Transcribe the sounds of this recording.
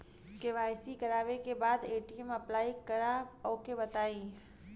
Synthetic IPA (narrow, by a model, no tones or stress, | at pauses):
keʋaːɪsikɐɾaːʋekebaːd̪eːʈiɛmɐplaːikəɾaokebɐt̪aːĩː